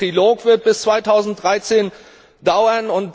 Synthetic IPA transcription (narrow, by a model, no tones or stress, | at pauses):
ʁ̥iloːkv̥ɪɐt̚b̥ɪst͡sv̥aɪtʰaʊzn̩t̚d̥ʁaɪt͡seːn | daʊɐnʊnt